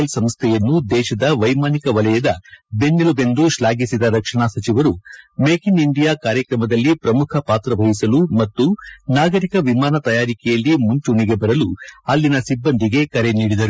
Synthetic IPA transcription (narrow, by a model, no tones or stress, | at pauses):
lsɐmst̪ʰɛjɐnːud̪ɛːʃɐd̪ɐʋɐjmaːnikɐʋɐlɐjɐd̪ɐbe̞nːilube̞nd̪uʃlaːɡisid̪ɐɾɐkʂɐɳaːsɐt͡ʃiʋɐɾumeːkiniɳɖijaːkaːɾjɐkɾɐmɐd̪ɐlːipɾɐmukʰɐpaːt̪ɾɐbʱɐɦisɐlumɐt̪ːunaːɡɐɾikɐʋimaːnɐt̪ɐjaːɾikɛjɐlːimuɲt͡ʃuniɡe̞bɐɾɐluɐlːinɐsibːɐnd̪iɡe̞kɐɾe̞niːɽid̪ɐɾu